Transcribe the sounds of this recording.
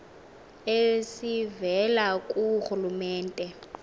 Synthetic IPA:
esivɛlakʼuhulumɛːntʼɛ

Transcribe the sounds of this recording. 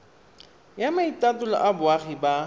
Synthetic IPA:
jamaitatʊlɔ̰ʔabʊaχiba

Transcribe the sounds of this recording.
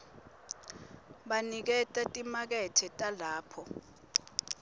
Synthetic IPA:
ɓanik̬ɛtʼatʼimak̬ɛtʰɛtʼalaːpʰɔ

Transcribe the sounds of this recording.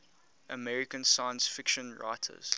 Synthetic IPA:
ʔəmɛɹikə̃nsaɪə̃nsfɪkʃə̃nɹa̰ɪtʰə̰z̥

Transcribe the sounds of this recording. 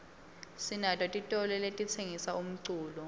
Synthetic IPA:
sinatʼwɔtʼitʼɔlɛletʼit͡sʰeŋisaum̩ǀuːlɔ

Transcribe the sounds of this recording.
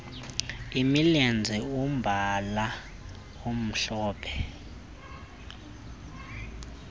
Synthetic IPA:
imiliand͡zʱiumbʱala | um̩ɬɔːpʰɛ̥

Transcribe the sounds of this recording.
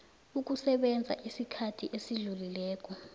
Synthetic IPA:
uk̬usɛɓɛnd͡zʱa̰ʔisikʰatʰiʔesiɮulilɛːk̬ɔ

